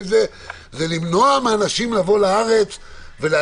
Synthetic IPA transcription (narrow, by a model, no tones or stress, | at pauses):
ze | zelimno̞ameanaʃimlavo̞laaʁe̞t͡sve̞le